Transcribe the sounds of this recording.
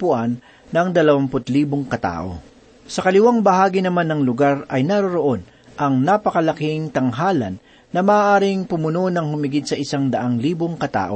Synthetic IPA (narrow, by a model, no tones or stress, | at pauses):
pʊʔanː | ɐŋd̪ɐlɐwampʊt̪liːboŋkɐt̪a̰ːʔo̰ | sɐkɐlɪwaŋbɐɦaːɡinɐmanːɐŋlʊɡaɾɐjnaɾoɾoʔo̞n | ʔɐŋnaːpɐkɐlɐkɪŋt̪ɐŋɦaːlɐ̰nː | ɐmaːʔaːɾɪŋpʊmʊnonɐŋhʊmɪɡɪd̪sɐʔɪsaŋd̪ɐʔaŋliːboŋkɐt̪a̰ːʔo